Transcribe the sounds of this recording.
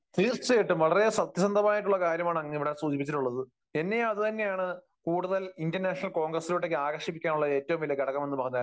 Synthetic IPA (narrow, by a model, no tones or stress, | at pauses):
t̪iist͡ɕejiʈːɨmʋɐɭɐresɐt̪jɐsɐnd̪ʱɐmaːjiʈːuɭːɐkaːɾjɐmaːɳɨɐŋːɐiʋiɽesuːd͡ʑipːit͡ɕːiʈːuɭːɐðɨ | e̞nːe̞ɐðɨt̪ɐnːe̞jaːɳɨ | kuːɽuðɐlindɐrnaːʂɐnɐlko̞ːŋɡrɐsːiloʈːekːɨaːɣɐrʂipːikʲːaːnuɭːɐe̞ːtːɐʋumʋɐljɐɡɐɽɐkːɐme̞nːɨbɐɦɐnːaː